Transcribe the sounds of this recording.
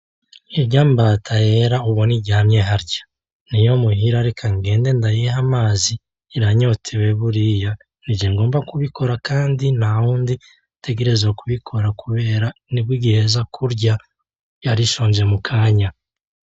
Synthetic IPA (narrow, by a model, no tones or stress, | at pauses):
eɟaːmbaːtʰaje̞ɾauβo̞niɟaːmje̞ɦaɾɟḁ | nijo̞muɦiɾaɾekʰaŋɡe̞ːnde̞ndajeɦamaːziː | ɾaɲo̞tʰewe̞βuɾija | nid͡ʒeŋɡo̞ːmbakuβikʰo̞ɾakaːndinahuːndi | tʰe̞ɡe̞ɾe̞zwokuβikʰo̞ɾakuβe̞ːɾanibwiɡehezakʰuɾɟa | jaɾiʃoːɲd͡ʒe̞mukʰaːɲa